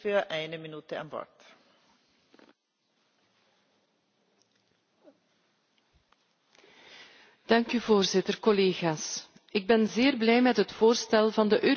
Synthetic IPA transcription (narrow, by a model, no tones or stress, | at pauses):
fyːɐʔɛɪnəminyt̪əa̰nʋɔ̰ɹt | d̥ɑŋkyvoːrzɪtərkɔleːɣaːs | ɪɡ̚bɛnzeːrblɛjmɛtɦətfoːrstɛlˠvɑndəʔøː